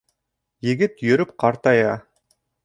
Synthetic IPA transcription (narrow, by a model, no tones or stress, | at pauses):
jɘ̆ɡɘt̪jɵ̆ɾɘp̚qɑɾt̪ɑjɑ